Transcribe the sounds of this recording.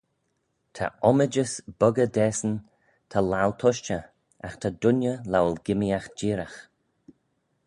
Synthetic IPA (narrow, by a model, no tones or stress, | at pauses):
t̪ʰa̰ɔməd͡ʒəsb̥ʊɡədɛːsən | t̪ʰalawlt̪ʰɔʃt͡ʃə | a̰xt̪ʰad̪ʊnjəlawlɡɪmiaxd͡ʒiːɾax